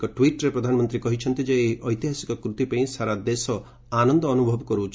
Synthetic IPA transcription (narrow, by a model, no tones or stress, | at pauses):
kɔʈwiʈɾepɾɔd̪ʱanɔmɔnt̪ɾikɔɦit͡ʃʰɔnt̪id͡ʒeeɦiʔɔjt̪iɦasi̥kɔkɾut̪ipaĩsaɾad̪esɔ | anɔnd̪ɔːnubʱɔbɔkɔɾut͡ʃʰ